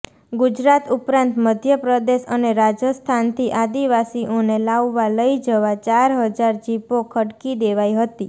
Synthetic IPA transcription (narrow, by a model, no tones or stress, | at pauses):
ɡud͡ʒɾat̪upɾãnt̪məd̪ʱjəpɾəd̪eʃəneɾad͡ʒəst̪ʰant̪ʰiʔad̪iʋasiʔonelaʋːaləid͡ʒəʋat͡ʃaɾɦəd͡ʒaɾd͡ʒipokʰəɽkid̪eʋajɦət̪i